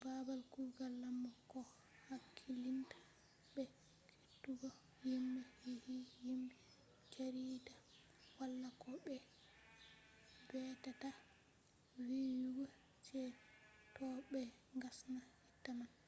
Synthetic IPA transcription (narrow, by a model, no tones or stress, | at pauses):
babalkuɾɡalːamːɔkɔ | hakʰːilintḁ | bɛ | kʰetːuɡɔ | jimɛhihijimbɛ | t͡ʃaɾida | walːakɔɓɛ | bɛtata | wiwuɡɔ | t͡ʃɛ | tɔbɛ | ŋɡasnahitːaman